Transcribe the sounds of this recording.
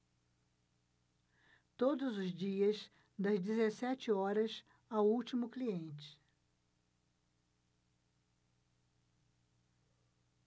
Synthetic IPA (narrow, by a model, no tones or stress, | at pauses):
t̪od̪ʊzʊzd͡ʒiɐs | d̪ɐzd͡ʒezesɛt͡ʃɪɔɾɐs | awuwt͡ʃimʊkliẽnt͡ʃɪ̥